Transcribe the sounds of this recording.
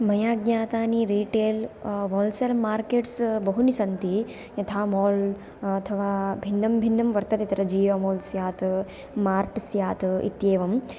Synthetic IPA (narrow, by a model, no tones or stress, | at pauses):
mɐjaːɡɲʲaːt̪aːniɾiːʈeːlʋoːlsɐɾmaːɾkeːʈsbɐɦunisɐnt̪i | jɐt̪ʰaːmoːl | ɐt̪ʰɐʋaːbʱinːɐmbʱinːɐmʋɐɾt̪ɐt̪it̪ɾɐd͡ʒiːʋɐmoːlsjaːt̪ | maːɾʈsjaːt̪ḭt̪jeːʋɐm